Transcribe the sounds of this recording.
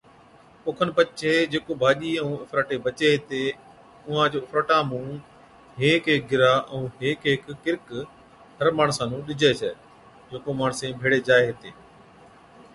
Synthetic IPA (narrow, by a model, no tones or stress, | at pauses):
pʊkʰənpət͡ʃʰeːd͡ʑeːkoːbʱaːʄiːɛ̃ũːʊfɾəʈeːbət͡ʃeːɦɪt̪eː | ʊɦãːd͡ʒoːʊfɾəʈãːmũː | ɦeːkɦek̚ɡɪɾaːʔɛũːɦeːkɦɪkːɪɾk | ɦəɾmaːɳ̃sãːnũːɗɪd͡ʒʱeːsɛː | d͡ʒeːkoːmaːɳəsẽːbʱeːɽeːd͡ʒaːeɦɪt̪eː